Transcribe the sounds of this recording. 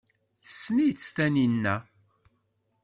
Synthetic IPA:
θə̥sːnijt͡sːθæninːæ

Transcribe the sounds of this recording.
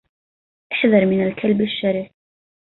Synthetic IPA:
ʔaħðɑɾˤmɪnalkʰalbaʃːaɾiːf

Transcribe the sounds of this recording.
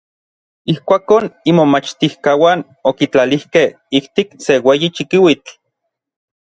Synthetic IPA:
ihkʷaːkoːnimomat͡ʃt̪ihkawaːn | okit͡ɬalihkeh | ikt̪ikseweːjit͡ʃikiwit͡ɬ

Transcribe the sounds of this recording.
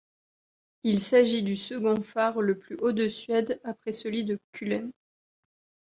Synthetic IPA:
ilsaʒid̪ysəɡɔ̃faʁləplyʔod̪əsɥɛd̪apχɛsəlɥid̪əkʲʰylɛn

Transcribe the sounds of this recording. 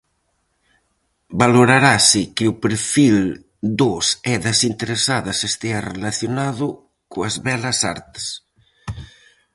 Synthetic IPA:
baloɾaɾasɪkɪupeɾfil | d̪osɛðɐsint̪eɾesaðɐsest̪earelaθjonaðʊ | koazβɛlɐsa̰ɾt̪e̥s

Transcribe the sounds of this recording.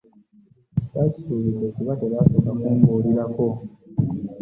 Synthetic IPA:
cacisuːβidːekuβateβasokamuːŋɡoliɾako

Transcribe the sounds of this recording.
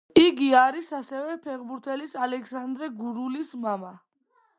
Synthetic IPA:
iɡiaɾisasɛvɛpʰɛχbuɾt̪ʰɛlisalɛkʰsand̪ɾɛɡuɾulismama

